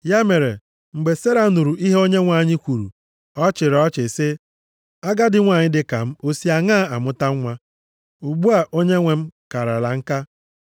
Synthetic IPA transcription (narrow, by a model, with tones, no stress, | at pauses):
ja˦me˨ɾe˨ | ŋ͡m̩˨ɡ͡be˨se˦ɾa˨˦nu˨ɾu˨ʔi˦ɦe˦o˦ɲe˦ŋʷa˨ɲɪ˦kʷu˨ɾṵ˨ | ɔ˦t͡ʃɪ˨ɾɔ˦t͡ʃɪ˨sɪ˦ | a˦ɡa˦dɪ˦ŋʷa˨ɲɪ˦dɪ˦ka˨m̩˦o˦si˦a˨ŋaː˦˨a˨mʊ˦ta˦ŋ˦ŋʷa˦ | u˨ɡ͡bu˦a˨ʔo˦ɲe˦ŋʷe˨m̩˦ka˨ɾa˨la˨ŋ̩˦ka˦